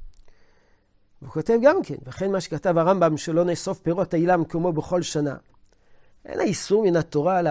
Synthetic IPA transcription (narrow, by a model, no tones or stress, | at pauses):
veukotevɡamke̞̰nvaχenmaʃekatavaʁambamʃelo̞neso̞fpeʁo̞tailamkomo̞beχo̞lʃana̰ | ʔḛnhaisuʁminat̪o̞ʁal